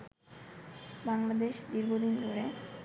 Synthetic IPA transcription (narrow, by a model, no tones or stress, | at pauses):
baŋlad̪eʃd̪iɾɡʱod̪ind̪uɾe